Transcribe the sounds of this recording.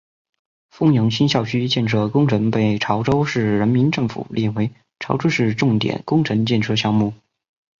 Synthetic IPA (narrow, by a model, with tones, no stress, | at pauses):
fʊ˥ŋjɤ˧˥ŋɕi˥nɕjɑ˥˩ʊɕʰy˥t͡ɕjɛ˥˧nʂʰɤ˥˩kʊ˥ŋʈ͡ʂʰɤ˧˥ŋpe˥˩ɪʈ͡ʂʰɑ˧˥ʊʈ͡ʂo˥ʊʂɻ̩˥˩ɻə˧˥nmi˧˥nʈ͡ʂɤ˥˩ŋfṵ˨˩lʔjɛ˥˩we˧˥ɪ | ʈ͡ʂʰɑ˧˥ʊʈ͡ʂʰu˥ʂɻ̩˥˧ʈ͡ʂʊ˥˩ŋt̪jɛ̰˨˩˦nkʊ˥ŋʈ͡ʂʰɤ˧˥ŋt͡ɕjɛ˥˩˧nʈ͡ʂʰɤ˥˧ɕjɑ˥˧ŋmu˥˩